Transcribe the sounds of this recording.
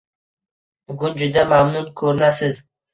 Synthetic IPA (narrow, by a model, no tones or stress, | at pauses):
bʊɡʊnd͡ʒʊd̪amamnʊnkʰɵɾɪnasɪz